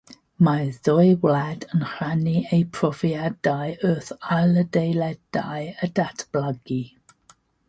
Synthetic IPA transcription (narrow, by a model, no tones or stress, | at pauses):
maðɔjwladənχraniejpʰrɔviadajøθalədejlɛd̥ajədatʰb̥laɡi